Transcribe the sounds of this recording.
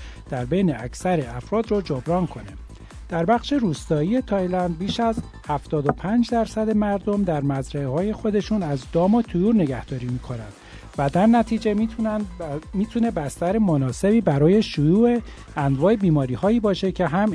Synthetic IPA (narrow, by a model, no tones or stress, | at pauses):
d̪̥æɾbe̞jne̞æcsæɾeæfɾɒːd̪rɒd͡ʒobɾɒːnkʰo̞ne | d̪̥æɾbæχʃe̞ɾuːst̪ɒːiːe̞t̪ʰɒjlænd̪̚biːʃæz | hæft̪ɒːd̪o̞pʰænd͡ʒd̪æɾsæd̪e̞mæɾd̪o̞md̪æɾmæzɾæehɒːje̞xo̞d̪e̞ʃunæzd̪ɒːmɒt̪ʰujuːɾne̞ɡæhd̪̥ɒːɾiːmiːkʰo̞nænd̪̥ | væd̪æɾnæt̪ʰiːd͡ʒe̞ | miːt̪ʰuːne̞bæst̪æɾemonɒːse̞biːbæɾɒːje̞ʃujuːe | ænd̪vɒːe̞biːmɒːɾiːhɒːiːbɒːʃe̞cʰe̞ɦæm